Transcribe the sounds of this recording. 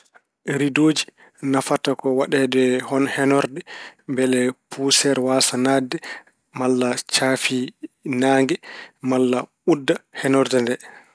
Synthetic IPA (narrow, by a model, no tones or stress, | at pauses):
ɾidoːd͡ʒi | nafatakɔwaɗɛdɛhɔnhɛnɔɾdɛmbɛlɛpʰusɛɾwasanadɛ | malːat͡ʃafinaːŋɡɛmalːa | udːahɛnɔɾdɛndɛ